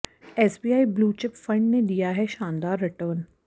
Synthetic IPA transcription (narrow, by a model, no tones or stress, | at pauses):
ɛːsbiːaːibluːt͡ʃɪpfɐ̃ɳɖned̪ijaɦɛʃãːnd̪aːɾːɪʈəːɾn